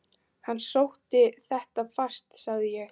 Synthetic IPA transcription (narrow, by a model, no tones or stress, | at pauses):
hanːsowht̪ɪθɛht̪afast̪saɣðɪjɛx